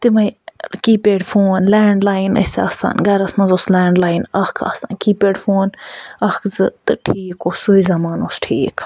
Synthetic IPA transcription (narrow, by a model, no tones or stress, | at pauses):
t̪imɐjkiːpeːɖfoːnlɛːɳɖlaːinɐ̰sɐ̰ːsa̰ːnɡɐɾɐsmɐ̃nzoslɛːɳɖlaːjnɐkʰa̰ːsa̰nkiːpeːɖfoːnɐkʰzɨt̪ɨʈʰiːkoːsuizɐmaːnoːsʈʰiːk